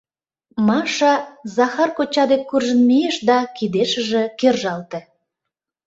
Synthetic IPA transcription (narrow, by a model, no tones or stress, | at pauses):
mɑʃɑzɑxɑrkot͡ɕɑd̪ekːurʒə̆nmejeʃd̪ɑkid̪eʃə̆ʒĕkerʒɑlt̪ĕ